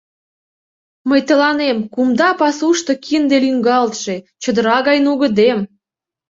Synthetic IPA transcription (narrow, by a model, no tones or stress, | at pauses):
məjt̪ə̆lɑnemkumd̪ɑpɑsuʃt̪ŏkʰind̪elyŋɡɑlt̪ʃe | t͡ɕə̆d̪əɾɑɣɑjnuɣə̆d̪em